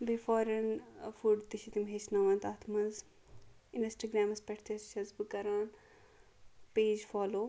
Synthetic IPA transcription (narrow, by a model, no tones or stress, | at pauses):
befɔːɾɐnfuɖt̪iʃit̪imɦeːt͡ʃnɐʋɐnt̪aːt̪ʰmɐnz | insʈɐɡɾaːmɐspɐʈʰt̪ʰɐsʃɐzbɨkɐɾaːn | peːd͡ʒfaːloː